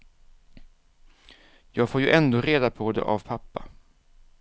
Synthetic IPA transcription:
jɑːɡfoːɾjɵʔɛnd̪oːɾeːd̪apʰɔd̪ɛ̰ʔavpʰapːa

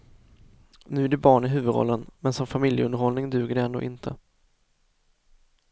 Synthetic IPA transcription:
nʉ̟ːæɖɛbɑːɳɪɦʉ̟ːvɵd̪ɾɔ̰lːənmɛnsɔmfamɪljəɵnd̪əɾhɔlnɪŋd̪ʉ̟ːɡəɖɛɛnd̪o̰ːʔɪnt̪ʰə

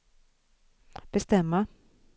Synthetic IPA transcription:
b̥ɛst̪ɛmːa

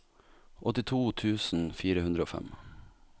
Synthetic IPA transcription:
ʔɔt̪ɪt̪ʰuːt̪ʰʉːsn̩fiːɾəʉnd̪ɾəoːfɛ̰m

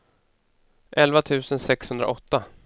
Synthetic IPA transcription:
ʔɛlvat̪ʰʉ̟ːsənsɛkshɵnd̪ɾa̰ʔɔt̪ːa

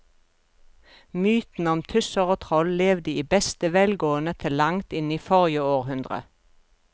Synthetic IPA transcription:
myːt̪n̩ɔmt̪ʰʉsəʁoːt̪ʰʁɔlleːʋd̪əiːbɛst̪əʋɛlɡoːənət̪ʰɪlːɑŋt̪ɪniːfɔʁjəoːʁhʉnd̪ʁə̰

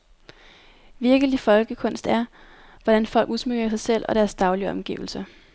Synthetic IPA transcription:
ʋiɐɡ̥əlifɒ̽lɡ̥əkʰɔ̽n̰sd̥æɐ | ʋɒd̥ænfɒ̽l̰ɡ̥usmøɡ̥ɐsɑ̈ɪsel̰ɒ̽ɾ̥æɐsd̥ɑ̈ʊliɒ̽mɡ̥ḭːʊl̩sə

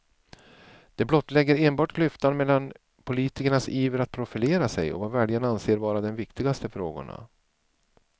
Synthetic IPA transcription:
d̪̥ɛblɔt̪ːlɛɡːəɾeːnbɑːʈklʏft̪anmɛlːan | pʰʊliːt̪ɪkəɳasiːvəɾat̪̚pʰɾʊfɪleːɾasɛ̰jɔ̰vavæːɖjənanseːɾvɑːɾad̪ɛnvɪkt̪ɪɡast̪əfɾoːɡʊ̰ɳa̰

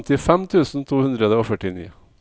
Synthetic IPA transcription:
t̪ɪfɛmt̪ʰʉːsn̩t̪ʰuːhʉnd̪ɾəd̪əoːfœʈɪnḭː

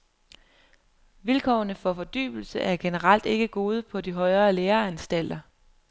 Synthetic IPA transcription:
ʋilkʰɒ̰ːnəfɒ̽fɒ̽d̥y̰ːb̥l̩səʔæɐɡ̥e̝nəʁɑl̰d̥e̝ɡ̥əɡ̥o̝ːð̞ˠəpʰɒ̽diɦɒ̽ɪʁɐːleːɐænsd̥æl̰d̥ɐ

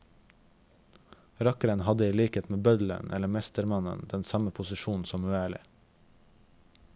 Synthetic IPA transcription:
ɾɑkəɾənhɑd̪əiːliːkeːt̪meːbœd̪l̩ə̰nʔɛ̰ləmɛst̪əɾmɑnə̰nd̪ɛnsɑməpʰʊsɪʃuːn̩sɔmʉæːɭɪ̰

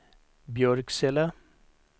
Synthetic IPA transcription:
bjorɡsela

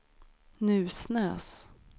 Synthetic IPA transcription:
nʉ̟ːsnɛ̰ːs

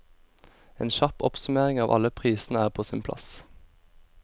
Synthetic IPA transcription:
ḛːnʃɑpɔ̰psʉmeːʁɪŋɑːʋʔɑ̰ləpʰʁiːsn̩əæːʁpʰoːsɪːnpʰlʔɑ̰s

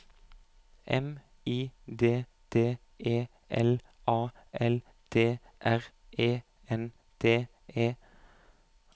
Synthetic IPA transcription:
ʔɛ̰m | iːd̪eː | t̪ʰeː | ʔeː | ʔɛ̰l | ʔɑː | ʔɛl | t̪ʰeː | ʔæʁ | ʔeː | ɛn | t̪ʰeː | eː

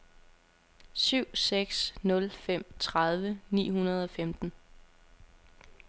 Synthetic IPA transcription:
syʊ̰seɡ̥snɔ̽lfem̰t͡sʰʁɑð̞ˠʋənḭːhunɐð̞ˠɒ̽femd̥n̩

